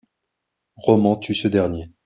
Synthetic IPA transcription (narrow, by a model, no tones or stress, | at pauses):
ʁɔmɑ̃t̪ʰysəd̪ɛʁnje